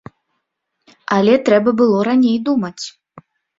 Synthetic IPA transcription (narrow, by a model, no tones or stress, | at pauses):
ɐlʲɛt̪ɾɛbɐbɨlˠɔɾanʲejd̪umɐt͡sʲ